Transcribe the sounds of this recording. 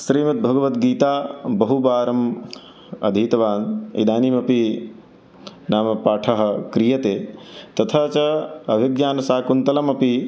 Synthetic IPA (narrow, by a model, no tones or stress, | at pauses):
sɾiːmɐt̪̚bʱɐɡɐʋɐt̪ɡiːt̪aːbɐɦubaːɾɐm | ɐ̰d̪ʱiːt̪ɐʋaːnḭd̪aːniːmɐpi | naːmɐpaːʈʰɐɦɐ̆kɾijɐt̪eːt̪ɐt̪ʰɐːt͡ʃɐɐʋʱiɡjaːnɐsaːkunt̪ɐlɐmɐpi